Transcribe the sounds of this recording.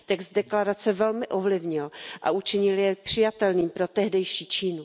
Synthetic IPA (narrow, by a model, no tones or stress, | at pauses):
t̪ɛksdɛklaɾat͡sɛvɛlmɪʔovlɪvɲɪlʔa̰ut͡ʃɪɲɪljɛpr̥ɪjat̪ɛlniːmpɾot̪ɛɦdɛjʃiːt͡ʃiːnu